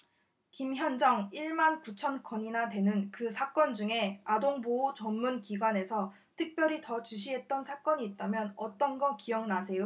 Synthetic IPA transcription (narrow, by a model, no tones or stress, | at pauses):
kimçjʌnd͡ʑʌŋiɭmankut͡ɕʰʌnkʰʌɲinadwe̞nɯnkɯsʰak͈ʌnd͡ʑuŋe̞adoŋbot͡ɕʌnːunkiɡwane̞sʰʌ | tʰɯk̚p͈jʌɾitʌt͡ɕuɕ̬ʰiɦe̞t̚t͈ʌnsʰak͈ʌɲiːt̚t͈amjʌnʌt͈ʌnɡʌkijʌŋnasʰe̞jo